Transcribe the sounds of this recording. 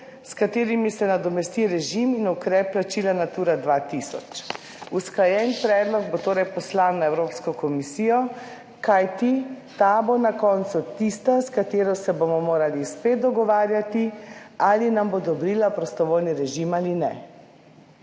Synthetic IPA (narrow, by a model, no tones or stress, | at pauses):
skat̪eːɾimisɛnad̪ɔmɛst̪iɾɛʒiminukɾɛpːlat͡ʃiːlanat̪uːɾad̪ʋat̪isɔ̰t͡ʃ | usklajɛnpɾɛːd̪lɔɡ̚bot̪oːɾɛjpɔslawnːaɛwɾoːpskɔkɔmisijɔ | kajt̪it̪abonakɔnt̪sut̪ist̪askat̪eːɾɔsɛbomɔmoːɾalispeːt̪̚d̪ɔɡɔʋaːɾjat̪ialinambod̪ɔbɾiːlapɾɔst̪ɔʋoːjniɾɛʒimalinɛ̰